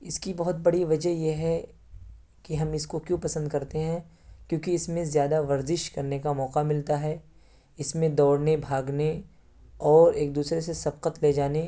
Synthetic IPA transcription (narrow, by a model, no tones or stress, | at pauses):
ɪskibɐɦʊt̪̚bɐɽiʋɐd͡ʒəɦjeɦɛ | kiɦɐmɪskokjũːpɐsə̃nd̪̚kɐɾt̪eɦɛ̃ | kjõːkiɪsmẽzjaːd̪aʋɐɾzɪʃkɐɾnekamɔːqamɪlt̪aɦɛː | ɪsmẽd̪ɔːɽnebʱaːɡne | ɔːɾeːk̚d̪uːsɾes̬esɐb̚qət̪led͡ʒaːne